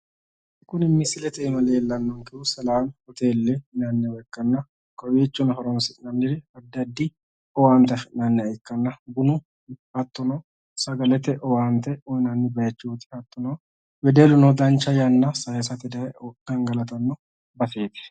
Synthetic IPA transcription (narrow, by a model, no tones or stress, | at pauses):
kːʊnɪmːɪsɪlɛt̪ɛːmɐleːlːɐnːɔŋkɪʊsɐlaːmɔt̪eːlːɛnɐnːɛwɛkːɐnːɐ | kɔjeːt͡ʃːʊnɦɔɾɔnsɪtnɐmɪɾɛɐd̪ːɐd̪ːɪ | ɔwaːnt̪ɐfɪnɐnːɛɐɛkːɐnːɐbʊnʊ | hɐt̪ːɔnɔ | sɐɡɐlɛt̪ɛʔɔwaːnt̪ɛɔnɐnːɪbɐjɐt͡ʃːuːt̪ɪ̥hɐt̪ːɔnɔ | wɛd̪eːlʊnɔd̪ɐnt͡ʃːɐjɐnːɐsɐjɐs̬ɐt̪ɪd̪ɐɛɔkːɐŋɡɐlɐt̪ɐnːɔ | bɐse̞ːt̪ɛ̥